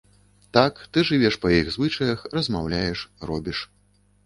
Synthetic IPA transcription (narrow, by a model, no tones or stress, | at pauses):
t̪akt̪ɨʐɨvʲɛʂpɐjiɣzvɨt͡ʂɐjɐxrɐzmawlʲajɛʂrɔbʲiʂ